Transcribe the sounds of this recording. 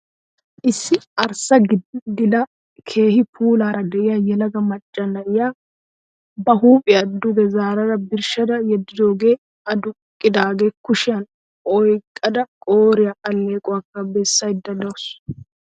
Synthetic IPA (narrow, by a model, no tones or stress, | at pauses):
ʔɪsːɪɐɾsɐɡd̪ɪlɐ | kʰe̞ːhɪpʰuːlaːɾɐd̪ɛʔɪjajɛlɐɡɐmɐt͡ʃʼːɐnɐɪjaː | bɐɦuːpʼɪɐd̪ːʊd̪ɛzaːɾɐɾɐbɪɾʃɐd̪ɐjɛd̪ːɪd̪o̞ːɡe̞ː | ɐd̪ʊkʼːɪd̪aːɡe̞ːkʊʃɪjɐn | ʔɔjkʼːɐd̪ɐkʼoːɾɪjaʔɐlːe̞ːkʼʊwaːkːɐbɛsːɐjd̪ːɐd̪ows